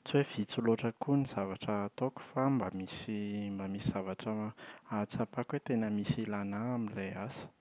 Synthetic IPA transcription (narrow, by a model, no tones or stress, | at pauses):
t͡suwev̥it͡suloʈ͡ʂəkuniz̥avaʈ͡ʂət̪oku̥fambamisimbamisiz̥avaʈ͡ʂəat͡sapakwet̪enəmisilanaːmileasə̥